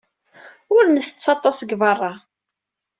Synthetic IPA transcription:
ʊɾnθə̥t͡sːɑt̪ˤːɑsəɡvɑrˤːɑ

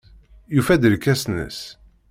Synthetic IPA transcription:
jufæd̪əlkːæsnə̰s

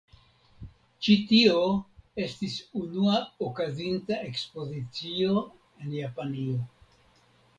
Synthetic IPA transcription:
t͡ʃitio̞e̞stisunuaokazintae̞kspo̞zit͡sio̞ | e̞njapanio̞

